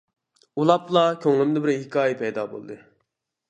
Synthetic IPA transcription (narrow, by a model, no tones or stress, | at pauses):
ulˠɑplˠɑkʲʰøŋlˠɪmd̪ɪbɪɾhɪkʰɑːjɛpʰɛjd̪ɑ̰ːbo̰lˠd̪ɨ